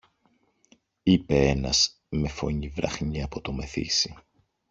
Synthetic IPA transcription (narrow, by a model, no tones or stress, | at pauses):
ipe̞e̞nɐs | me̞fo̞̰ɲivɾɐxɲiɐpo̞t̪o̞me̞θḭsi